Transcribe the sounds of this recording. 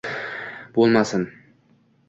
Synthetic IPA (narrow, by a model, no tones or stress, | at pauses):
b̥olˠmasɪn